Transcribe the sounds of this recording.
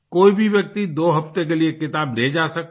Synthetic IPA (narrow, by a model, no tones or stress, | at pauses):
koibʱibjək̚t̪id̪oɦəpt̪ekeliekɪt̪abled͡ʒasək